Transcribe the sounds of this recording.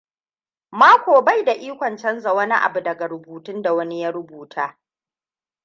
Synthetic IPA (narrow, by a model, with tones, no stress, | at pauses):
maː˦kʷoː˨ba˦jda˨ʔiː˦kʷɔ˨nt͡ʃɐ˦nza˨wɐ˦ni˦ʔa̰˨bu˨dɐ˨ɡa˨ɾʊ˨buː˨tʊ˦nda˨wɐ˦ni˦ja˦ɾʊ˦buː˨tʰaː˦